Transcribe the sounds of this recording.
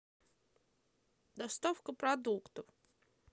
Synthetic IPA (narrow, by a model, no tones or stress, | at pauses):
d̪ɐst̪ofkəpɾɐd̪ukt̪əf